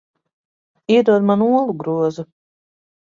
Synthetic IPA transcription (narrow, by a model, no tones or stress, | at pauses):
id̪uɔd̪manuɔlˠuɡɾuɔzu